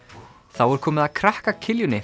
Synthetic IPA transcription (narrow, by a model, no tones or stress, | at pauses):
θawɛɾ̥kʰɔːmɪðakʰɾahkacʰɪljʏnːɪ